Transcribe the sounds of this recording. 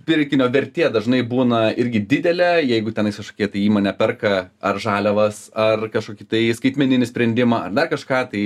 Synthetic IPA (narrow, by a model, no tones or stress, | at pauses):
pʲɪɾʲkʲɪnʲoːʋʲɛɾʲt̪ʲeːd̪ɐʒnɐɪbuːnɐɪɾʲɡʲɪd̪ʲɪd̪ʲɛlʲɛjɛɪɡʊt̪ʲɛnɪskɐʃkoːkʲiɛt̪ɐɪiːmoːnʲɛpʲɛrkɐɐrʒɑːlʲɛʋɐsɐrkɐʃkoːkʲɪt̪ɐɪskɐɪt̪ʲmʲɛnʲɪnʲɪsʲpʲɾʲɛnʲd̪ʲɪmɐɐrd̪ɐrkɐʃkɑːt̪ɐɪ